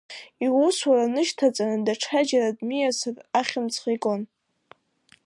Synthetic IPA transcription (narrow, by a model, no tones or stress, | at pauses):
iwuswaranɨʃtʰat͡sʼanɨdaʈ͡ʂʰad͡ʒaɾadmijasaraχʲɪmt͡sʰχikʼon